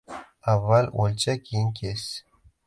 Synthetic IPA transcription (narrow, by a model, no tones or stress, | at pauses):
avːalʲolʲt͡ɕakʲʰijnʲkʲʰesʲ